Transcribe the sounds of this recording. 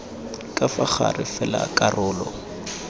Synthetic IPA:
kʼafak͡xa̰rɪfɛlakʼarʊːlɔ

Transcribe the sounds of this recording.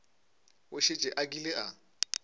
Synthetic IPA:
ʊʃet͡ʃʼɛʔakilɪʔa

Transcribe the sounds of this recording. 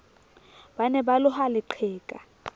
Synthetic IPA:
banɛbalʊhalɪǃʰɛːkʼa

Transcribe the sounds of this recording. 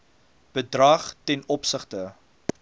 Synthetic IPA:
b̥ədrɐχtɛnɔpsəχtə

